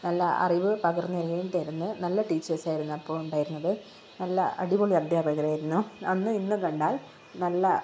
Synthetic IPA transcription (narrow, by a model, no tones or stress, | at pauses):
nɐlːɐɐ̰riʋɨpɐɣɐrnːiɐrjeʈɐjɾunːɨnɐlːɐʈiːt͡ɕːɐrsaːjiɾunːuɐpːoːɭuɳɖaːjiɾunːɐðɨ | nɐlːɐʔɐ̰ɽiboɭiɐd̪ʱjaːpɐɣɐɾaːjiɾunːuɐnːɨinːɨkɐɳɖaːl | nɐlːɐ